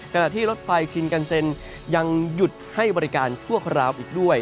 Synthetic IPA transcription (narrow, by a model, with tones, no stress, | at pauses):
kʰa˧na˨˩ʔt̪ʰiː˥˩lo˦˥t̪̚fa˧jt͡ɕʰi˧nka˧nse˧n | ja˧ŋju˨˩t̪̚ha˥˩jbɔː˧ɾi˦˥kaː˧nt͡ɕʰu˥˩ɐkʰɾaː˧wʔiː˨˩k̚du˥˩əj